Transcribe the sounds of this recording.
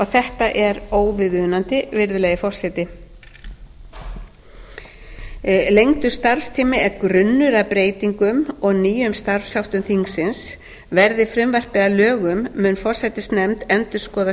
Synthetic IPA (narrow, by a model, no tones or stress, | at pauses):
ɔɣθɛht̪aʔɛɾoːwvɪðʏðnant̪ɪvɪɾðʏlɛjɪfɔr̥sɛt̪ɪ | lejŋt̪ʏ̥st̪aɾ̥fst̪ʰiːmɪɛɾkɾʏnːʏɾaðpɾeːjt̪iŋkʏmɔɣniːjʏmst̪aɾfsawht̪ʏmθiŋsɪns | vɛɾðɪfɾɪmvar̥pɛðalœːɣʏmːʏnfɔr̥sɛt̪ɪsnɛmt̪ɛnt̪ʏɾ̥skɔːða